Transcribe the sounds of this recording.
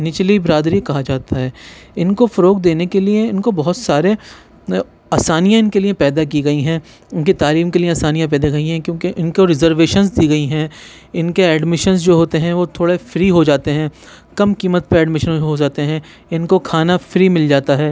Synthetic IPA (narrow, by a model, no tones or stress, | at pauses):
nɪt͡ʃlibɪɾaːd̪ɾikɐɦad͡ʒaːt̪aɦɛːɪnkofɐɾoːɡd̪eːnekelieɪnkobɐɦʊt̪saːɾe | aːsaːnijãɪnkeliepɛːd̪ak̬iɡɐiɦɛ̃ | ɪnkit̪aːɾiːmkelieaːsaːnijãp̬ɛːd̪aɡɐiɦɛ̃kjõːkeʔɪnkoɾɪzəɾʋeːʃənzd̪iːɡɐiɦɛ̃ | ɪnkeɛːɖmɪʃənzd͡ʒoːɦoːt̪eɦɛ̃ʋot̪ʰoːɽefɾiːɦod͡ʒaːt̪eɦɛ̃ː | kɐmkiːmət̪̚pəɾɛːɖmɪʃənɦod͡ʒaːt̪eɦɛ̃ | ɪnkokʰaːnafɾiːmɪld͡ʒaːt̪aɦɛː